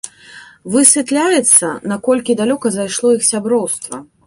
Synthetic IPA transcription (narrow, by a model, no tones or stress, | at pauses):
vɨsʲvʲɛt̪lʲajɛt̪sːɐnakɔlʲkʲid̪alʲɔkɐzajʂlˠɔixsʲabɾɔwst̪vɐ